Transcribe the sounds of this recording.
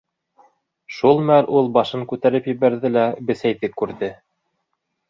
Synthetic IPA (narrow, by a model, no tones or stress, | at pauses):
ʃulˠmælulˠbɑʃɤŋkʉt̪æɾɘpjɘ̆βæɾðɘlæbɘ̆sæjðɘkʉɾðɘ